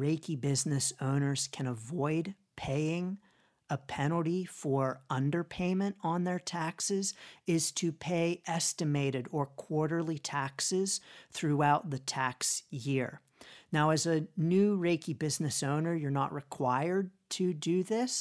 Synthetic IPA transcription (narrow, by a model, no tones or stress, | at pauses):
ɹeɪkʰibɪznɨsõʊ̃nə˞z̥kʰɨ̃ñəvɔɪd | pʰeɪɪ̃ŋ | əpʰɛnl̩ˠtifə˞ʌ̃ndə˞pʰẽɪ̃mɨ̃ntn̩ðə˞tʰæksɪzɪz̥tʰɨpʰeɪʔɛstɨmeɪɾɨɾə˞kʰw̥ɔɹɾə˞lˠitʰæksɪz̥θɹuaʊt̪̚ðɨtʰæksjɪɹ | naʊɨzɨnʉɹeɪkibɪznɨsõʊ̃nə˞jə˞nə̰ʔɹɨkʰw̥aɪə˞d̚tʰɨdɨðɪs